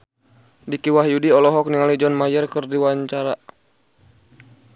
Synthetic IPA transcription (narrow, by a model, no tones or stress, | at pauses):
dikiwahjudiɔlɔɦɔk̚niŋalid͡ʒɔnmajərkərdiwaɲt͡ʃaɾa